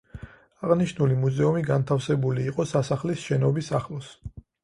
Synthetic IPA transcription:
aʁniʃnulimuzɛumiɡant̪ʰafsɛbuliːqʼɔsasaχlisʃɛnɔbisaχlˠɔs

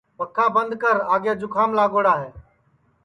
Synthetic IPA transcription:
pəkʰːaːbənd̪kəɾaːɡjaːd͡ʒʊkʰaːmlaːɡoːɽaːɦeː

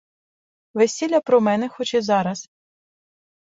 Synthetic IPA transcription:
ʋesʲilʲɐpɾɔmɛnɛxɔt͡ʃɛzɑɾɐs

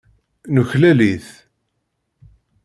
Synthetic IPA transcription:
nuçlæliθ

